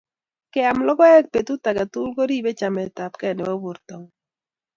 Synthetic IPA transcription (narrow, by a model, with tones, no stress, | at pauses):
kɛ˦a˨mlɔ˦ɡɔ˦ɛ˦k̚pe˨t̪u˦ta˨ɡa˨tu˦lɡo˦ɾi˦be˦t͡ʃa˨mɛ˨ta˨pkɛ˦˨nɛ˨wo˦bu˨ɾt̪o˨ŋ